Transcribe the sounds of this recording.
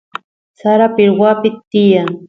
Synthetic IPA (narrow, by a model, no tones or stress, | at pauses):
saɾapɪɾwapɪt̪t̪ːɪjaŋ